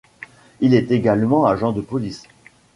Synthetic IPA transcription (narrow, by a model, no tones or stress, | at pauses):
ilɛt̪eɡalmɑ̃aʒɑ̃d̪əpɔlis